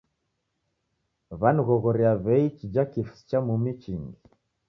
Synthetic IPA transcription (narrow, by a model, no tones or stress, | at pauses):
βanuɣɔɣɔɾiaβɛit͡ʃid͡ʒakifst͡ʃamumit͡ʃiŋɡi